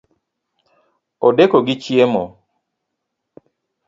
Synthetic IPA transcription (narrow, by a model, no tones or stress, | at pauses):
odekoɡɪt͡ʃjemo